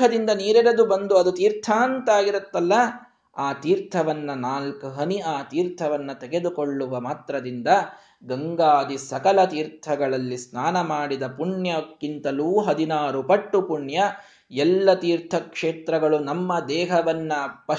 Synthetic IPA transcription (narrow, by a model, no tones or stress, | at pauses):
ɐd̪ind̪ɐniːɾɛɾɐd̪ubɐnd̪uɐd̪ut̪iːɾt̪ʰaːnt̪aːɡiɾɐt̪ːɐlːɐ | aːt̪iːɾt̪ʰɐʋɐnːɐnaːlkɐɦɐniaːt̪iːɾt̪ʰɐʋɐnːɐt̪ɛɡe̞d̪ukoɭːuʋɐmaːt̪ɾɐd̪ind̪ɐ | ɡɐŋɡaːd̪isɐkɐlɐt̪iːɾt̪ʰɐɡɐɭɐlːisnaːnɐmaːɽid̪ɐpuɳjɐkːint̪ɐluːɦɐd̪inaːɾupɐʈːupuɳjɐ | ɛlːɐt̪iːɾt̪ʰɐkʂeːt̪ɾɐɡɐɭunɐmːɐd̪ɛːɦɐʋɐnːɐpɐ